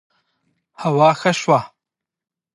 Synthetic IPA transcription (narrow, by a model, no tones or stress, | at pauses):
hawɑːxəʃwa